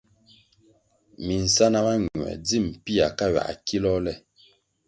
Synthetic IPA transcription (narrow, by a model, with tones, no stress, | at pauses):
mi˨n̩˨sa˦na˦ma˦ɲwɛ̰˨d͡zi˦˨m̩˨pi˦a˨ka˦ɥa̰˨ʔa̰˨ki˦lɔ˦lɛ˦˨